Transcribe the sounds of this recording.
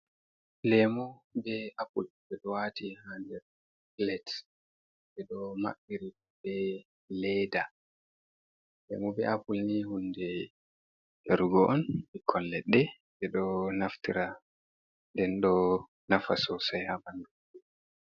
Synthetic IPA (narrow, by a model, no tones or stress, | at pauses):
lɛmɔbɛʔapulbɛɗɔwatihandɛɾ | klɛt | bɛɗɔma̰ɓːiɾi | bɛ | lɛda | lɛ̰mɔbɛ̰ʔapulnihundɛ | jaɾuɡɔʔɔnbikʰːɔnlɛɗːɛ | bɛɗɔnaftiɾa | ndɛnɗɔ | nafasɔsajhabandu | ɛ